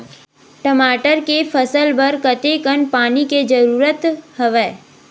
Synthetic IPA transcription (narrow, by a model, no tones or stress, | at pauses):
ʈəmaːʈəɾkefʰəsəlbɐɾkət̪ekənpaːniked͡ʒəɾuːɾət̪hɐʋɛː